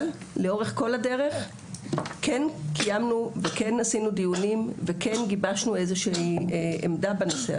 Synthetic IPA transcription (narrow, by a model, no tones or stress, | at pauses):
l | leo̞ʁeχkolade̞ʁe̞χ | kenkʰijamnuveke̞nasinudijunimvekenɡibaʃnue̞zeʃi | emdabanosea